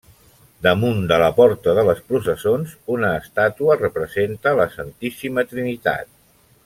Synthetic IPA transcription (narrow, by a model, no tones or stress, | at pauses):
d̪əmund̪ələpɔɾt̪əðələspɾusəsonzunəːst̪at̪uərəpɾəzent̪ələsənt̪isimət̪ɾinit̪a̰t̪̚